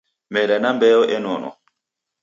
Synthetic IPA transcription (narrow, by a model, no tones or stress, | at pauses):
mɛdanambɛjɔʔɛnɔnɔ̰